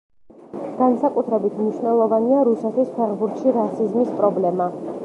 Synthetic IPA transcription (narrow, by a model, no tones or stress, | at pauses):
ɡ̥ansakʼut̪ʰɾɛbit̪ʰmniʃvnɛlˠɔvaniaɾusɛt̪ʰispʰɛʁbuɾt̪ʃiɾasizmispʼɾɔblɛma